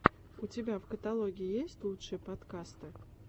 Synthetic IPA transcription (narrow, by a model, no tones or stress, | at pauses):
utʲebʲavkət̪alˠoɡʲijijesʲtʲlˠut̪ʂɨpɐt̪kast̪ɨ